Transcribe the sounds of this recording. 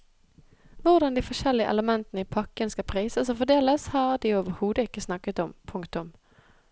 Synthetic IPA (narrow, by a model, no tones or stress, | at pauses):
ʋʊʁd̪ɑnd̪ifɔʃɛlːɪəʔɛ̰ləmɛnt̪ənəiːpʰɑkːənskɑpʰʁiːsəsɔːfɔd̪eːləshɑːʁd̪iːoːʋəɾhuːd̪əɪkːəsnɑkət̪ɔmpʰʊŋkt̪ʊm